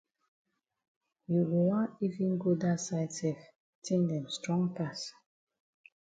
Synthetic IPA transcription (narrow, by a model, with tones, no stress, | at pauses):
ju˨ɡu˨wã˦i˦vĩ˦nɡo˦da˦saɪtsɛf | tʰẽ˦ndɛ̃˨mstɹɔ̃ŋpas